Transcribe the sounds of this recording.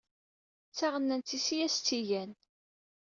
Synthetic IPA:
t͡sːaʁənːænt͡s̪ːisijæst͡s̪ːijæn

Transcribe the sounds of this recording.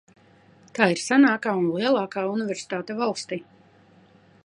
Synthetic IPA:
t̪aːiɾsanaːkaːunlˠiɛlˠaːkaːunivʲɛɾsi̥t̪aːt̪ɛvalˠst̪iː

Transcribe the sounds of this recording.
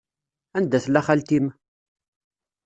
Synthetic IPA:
ænd̪æθlːæχælt̪im

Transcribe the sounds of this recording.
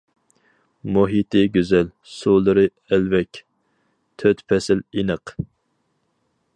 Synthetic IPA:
muɦit̪ʰɨɡʲyzɛl | sulˠɨɾɨ | ɛlvɛkʲ | t̪ʰøt̪pʰɛsɪlinəq

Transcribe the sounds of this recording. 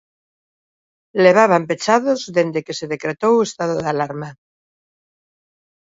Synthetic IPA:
leβ̞aβ̞ampet͡ʃaðozðend̪ekeseðekɾet̪owest̪aðoðalaɾma

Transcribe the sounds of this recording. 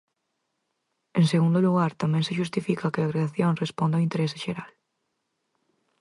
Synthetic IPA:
eŋseɣ̞und̪oluɣaɾt̪amẽŋseʃust̪ifikakeaɣɾeaθjonrespond̪aoint̪eɾese̥ʃeɾal

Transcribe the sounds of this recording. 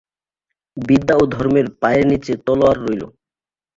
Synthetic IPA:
bid̪ːaod̪ʱɔɾmeɾpaeɾnit͡ɕet̪ɔloaɾːojlo̰

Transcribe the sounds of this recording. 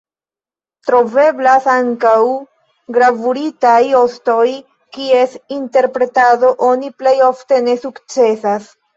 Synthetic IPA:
tɾo̞ve̞blasaŋkaw | ɡɾavuɾitajo̞sto̞j | kie̞sinte̞ɾpɾe̞tado̞ʔo̞niple̞jo̞fte̞ne̞sukt͡se̞sas

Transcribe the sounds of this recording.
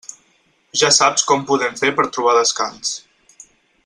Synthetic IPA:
ʒasapskɔmpuðɛɱfeɾpəɾt̪ɾuβaðəska̰ns

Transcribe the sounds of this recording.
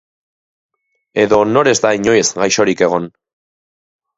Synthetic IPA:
e̞ðo̞no̞ɾe̞zd̪aiɲo̞je̞zɡajʃo̞ɾike̞ɣ̞o̞n

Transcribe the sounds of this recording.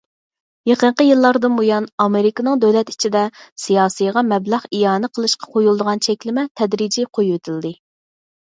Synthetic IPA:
jeqəɴqəjɨlˠːɑɾd̪ɨnbojɑnɑmeɾɪkɑnɨŋd̪øwlɛt̪i̥t͡ʃʰid̪ɛsijɑːsijʁɑmɛblɑχijɑːnɨqʰəlˠɨʃqʰɑ̥qʰojulˠd̪əʁɑnt͡ʃʰɛkʲlɪmɛt̪ʰɛd̪ɾid͡ʒiqʰojwet̪ʰɪld̪ɨ

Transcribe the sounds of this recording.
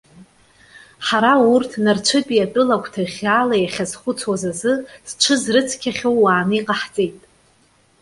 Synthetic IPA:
ħaɾaurtʰnart͡ʃʷʰɨpʼiatʼɨlakʷʰʼtʰaiχʲaːlajaχʲazχʷʊt͡sʰwazazɨst͡ʃʷʰɨzrɨt͡sʰkʲʰaχʲowːaːnɨiqʼaħt͡sʼe̞jtʼ

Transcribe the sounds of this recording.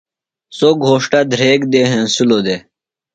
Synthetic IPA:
soːɡʱoːʂʈad̪ʱɾeːkd̪eːɦẽːsuloːd̪eː

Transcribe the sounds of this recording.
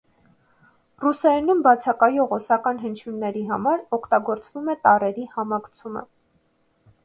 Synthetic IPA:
rusɛnumbɑt͡sʰɑkɑjɔʁɔsɑkɑnɦənt͡ʃʰjunːɛɾiɦɑmɑɾɔkʰt̪ɑɡɔɾt͡svumɛt̪ɑrɛɾihɑmɑɡt͡sʰumə̰

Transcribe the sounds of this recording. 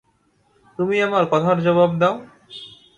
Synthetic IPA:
t̪umiamaɾpɔd̪ʰʱaɾd͡ʑɔbab̚d̪ao

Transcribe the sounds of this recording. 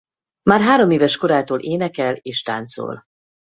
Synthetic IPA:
maːrɦaːɾo̞meːvɛʃko̞ɾaːt̪oːlʔeːnɛkɛleːʃt̪a̰ːnt̪so̰ːl

